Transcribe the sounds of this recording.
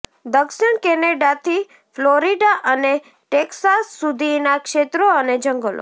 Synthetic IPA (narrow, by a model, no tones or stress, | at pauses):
d̪əkʃəɳkɛneɖat̪ʰi | floɾiɖaʔəne | ʈeksasːud̪ʱinakʃet̪ɾoəned͡ʒəŋɡəlo̰